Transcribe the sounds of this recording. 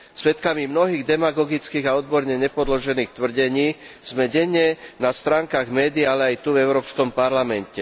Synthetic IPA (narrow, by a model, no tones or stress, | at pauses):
sʋɛt̪kamimnɔɦiːɣd̪ɛmaɡɔɡit͡skiːɣaɔd̪̚bɔɾɲɛɲɛpɔd̪lɔʒɛniːxt̪ʋr̩ɟɛɲiːz̥mɛɟɛɲːɛnast̪ɾaːŋkaːɣmɛːd̪iɪjaalɛajt̪uvɛʊɾɔːpskɔmpaɾlamɛncɛ